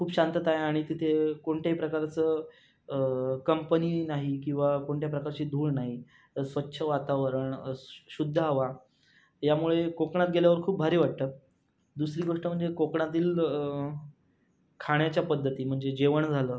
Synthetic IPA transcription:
kʰuːpɕant̪ət̪ajaɽ̃it̪it̪ʰekoɳʈjaɦipɾəkaɾt͡səː | kəmpəniːnaɦikĩw̃ʋakoɳʈjapɾəkaɾt͡ɕiːd̪ʱuːɭnaɦi | sʋətːɕʰəʋat̪aʋəɾəɳɕud̪ʱːəɦaʋa | jamuɭekokɳat̪̚ɡeljaʋəɾkʰuːp̚bʱaɾiːʋaʈ̚t̪əː | d̪usɾiːɡoʂʈəm̤əɳd͡zekokɳat̪̬iːl | kʰaɳjat͡ɕjapəd̪ʱːət̪iːm̤əɳd͡zed͡ʑeʋəɳd͡zʱaləː

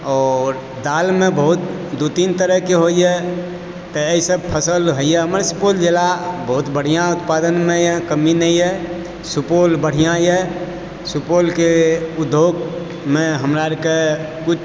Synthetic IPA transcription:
ɔːɾ | d̪almebəɦut̪̚d̪ut̪int̪əɾəɦkeɦojɛ | t̪əːisəb̚pʰəsəlɦoijɛɦəmɾsupold͡ʒelabəɦut̪bəɽ̤ijãut̪̚pad̪ənmejɛkəminəjɛ | supolbəɽ̤ijãjɛ | supolkeud̪ʱːoɡ | meɦəmɾaɾke | kut͡ʃʰ

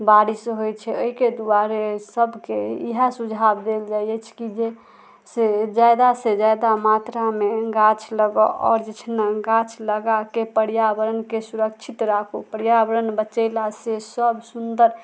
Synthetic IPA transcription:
baɾisɦojt͡ʃʰɛoiked̪uaɾesəbkeḭɦasud͡ʒʱabd̪eld͡ʒajjɛt͡ʃʰkid͡ʒe | sed͡ʒad̪ased͡ʒajd̪amat̪ɾameɡãt͡ʃʰləɡɔʔɔ̰ːɾd͡ʒet͡ʃʰnaɡãt͡ʃʰləɡakepəɽijabəɾənkesuɾək̚t͡ʃʰit̪ɾakʰupəɽjabəɾənbət͡ʃəɪlasesəbsund̪əɾ

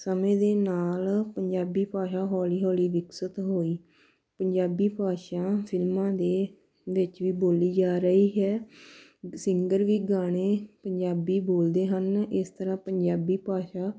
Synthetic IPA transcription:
səmẽːd̪eːnaːlpəɲd͡ʒaːbiːpaːʃaːɦɔːliːɦoːliːʋɪksət̪ɦoːiː | pəɲd͡ʒaːbiːpaːʃãːpʰɪlmãːd̪eː | ʋɪt͡ʃʋiːboːliːd͡ʒaːɾəɦiːɦɛː | sɪ̃ŋɡəɾʋiːɡaːɽ̃eːpəɲd͡ʒaːbiːboːld̪eːɦənɪst̪əɾãːpəɲd͡ʒaːbiːpaːʃaː

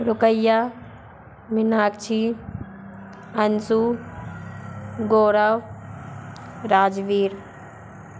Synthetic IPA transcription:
ɾʊkəjːa | mɪnaːkt͡ʃʰi | ɐnsu | ɡoːɾaw | ɾaːd͡ʒʋiːɾ

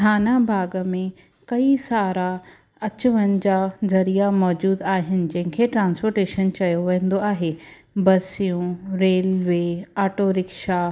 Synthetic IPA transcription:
d̪ʰʱaːnabʱaːɡəmẽ | kɐisaːɾa | ɐt͡ɕʊʋənɪ̆d͡ʑaːzɐɾijamɔːd͡ʑuːd̪aːɦɪnɪ̆d͡ʑɐ̃ɦɪ̃ŋkʰeʈɾãːnspoːɾʈeːʃənt͡ɕɐjoʋɛ̃ɦːn̆d̪oaːɦe | bɐsijũɾeːlʋeːaːʈoɾɪkʃa

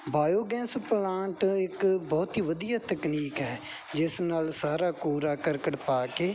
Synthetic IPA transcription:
baːjoːɡɛ̃ːnsplãːɳʈɪkbɔːt̪iːʋəd̪ijaːt̪əkniːkɦɛː | d͡ʒɪsnaːlsaːɾaːkuːɾaːkəɾkəʈpaːkeː

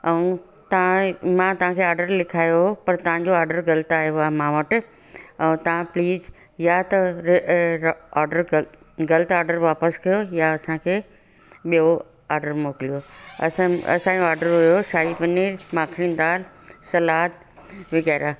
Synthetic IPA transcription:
ɐũ | t̪ɐʋãmãt̪ɐʋ̤ãkʰeːaːɾɖəɾlɪkʰaːjoɦopɐɾt̪ɐʋ̤ãɲd͡ʑoaːɾɖəɾɡɐlt̪aːɦjoaːmãːʋɐʈ | ɛ̃ũt̪ɐʋ̤ãpliːz | jat̪ɐ | aːɾɖəɾ | ɡɐlt̪aːɾɖəɾʋaːpəskɐjojaɐsãkʰeː | ɓijo | aːɾɖəɾmoːkɪlijoɐ̰sãɐ̰sãd͡ʑoaːɾɖəɾɦʊjoʃaːipɐniːɾmãːkʰɪɽ̃ĩnd̪aːl | sɐlaːt̪ | ʋɪɣɛːɾʔaː

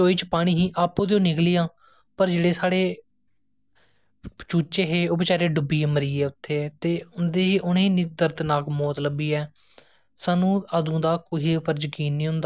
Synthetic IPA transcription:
t͡ʃoːiːt͡ʃpaːɽ̃iːɦĩːʔaːpːõːd̪eõːnɪkliːãː | pəɾd͡ʒeːɽeːsaːɽeː | t͡ʃuːt͡ʃeːɦeːoːbɪt͡ʃaːɾeːɖʊbːĩːməɾiːɛːʊt̪ʰːeːt̪eːʊnd̪eːɦiːʔʊniːnid̪əɾd̪naːkmɔːt̪ləbiːɛː | saːnũːəd̪ũːd̪aːkoiːpʰəɾd͡ʒkiːnːĩːɦʊ̃nd̪aː

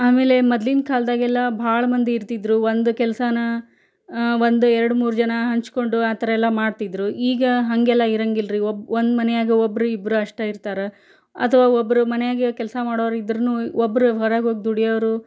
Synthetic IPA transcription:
aːme̞ːle̞mɐd̪lind̪kʰaːld̪aːɡɛlːɐbʱaːɭɐmɐnd̪eiɾt̪id̪ɾuʋond̪ukɛlsɐnɐ | ʋond̪uɛɾɐɽumuːɾud͡ʒɐnɐɦɐɲt͡ʃko̞ɳɖuaːt̪ɐɾɐɛlːɐmaːɖt̪id̪ɾuiːɡɐɦɐŋɡɛlːɐiɾɐŋɡilɾiobond̪mɐnɛjaːɡiobːɐɾuibːɾuɐʂʈɐiɾt̪aːɾe | ɐ̰t̪ʰɐʋaːobːɐɾumɐnɛjaːɡikɛlɐsɐmaːɽoːʋɾid̪ɾɐnuobːɐɾuɦɔɾaːɡoːɡid̪uɽijɐʋɾu

